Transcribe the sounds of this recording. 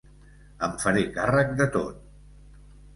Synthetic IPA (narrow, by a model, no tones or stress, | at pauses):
əɱfəɾekarək̚d̪ət̪o̰t̪̚